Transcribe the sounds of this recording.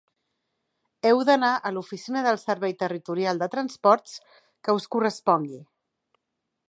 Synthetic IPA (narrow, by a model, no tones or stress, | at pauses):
ɛwðənaʔəlufisinəðəlˠsəɾβɛjt̪ərit̪uɾialˠd̪ət̪ɾənspɔɾt̪t͡s | kəuskurəspɔŋɡi